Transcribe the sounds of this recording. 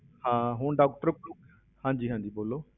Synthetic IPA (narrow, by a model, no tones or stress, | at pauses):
hãːɦʊɳɖaːkʈəɾkuk | hãːɲd͡ʒiːɦãːɲd͡ʒiːboːloː